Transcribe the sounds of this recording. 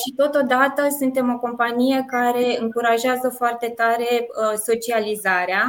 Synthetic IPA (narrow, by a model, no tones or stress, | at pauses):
ʃit̪o̞t̪o̞d̪at̪əsunt̪e̞mo̞ko̞mpanije̞kaɾe̞ɨŋkuɾaʒazəfoart̪e̞t̪aɾe̞so̞t͡ʃializaɾea